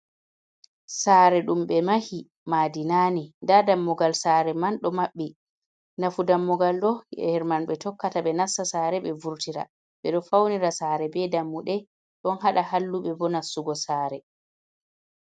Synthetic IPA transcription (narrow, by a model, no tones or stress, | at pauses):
saɾɛɗumɓɛmahi | maːdinaːnindadamːɔɡalsaːɾɛmanɗɔmaɓːi | nafudamːɔɡalɗɔɛ̰hɛɾmanɓɛtɔkːataɓɛnasːasaːɾɛɓɛvuɾtiɾa̰ | ɓɛɗɔfawniɾasaːɾɛbɛdamːuɗɛ | ɗɔnɦaɗahalːuɓɛbɔnasːuɡɔsaːɾɛ